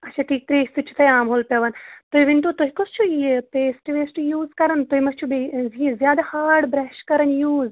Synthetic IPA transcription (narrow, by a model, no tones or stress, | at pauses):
ɐʃʰaːʈʰiːk̚t̪ɾisut͡ʃʰu̥t̪ʰɐjaːmɦoːlpʲɐʋant̪oɦiʋiɳʈoːt̪oɦikost͡ʃʰuipeːsʈʋeːsʈjuːzkɐɾɐnt̪oːɦimɐst͡ʃʰubezizʲjaːd̪aːhaːɾɖbɾɛːʃkɐɾɐnjuːz